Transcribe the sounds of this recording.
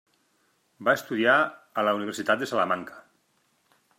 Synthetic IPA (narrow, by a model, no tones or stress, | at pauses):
baest̪uðiaːlauniβeɾsit̪at̪̚d̪esalamaŋkḁ